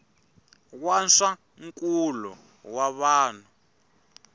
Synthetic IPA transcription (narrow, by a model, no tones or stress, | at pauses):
k̬wansa | ŋk̬ʼulɔ̰ | waβaːn̤u